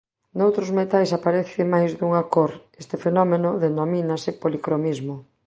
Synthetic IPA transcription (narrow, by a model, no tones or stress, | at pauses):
nowt̪ɾʊzmet̪ajsapaɾeθɪmajzd̪uŋakoɾest̪ɪfenɔmenʊðenominasɪpolikɾonizmo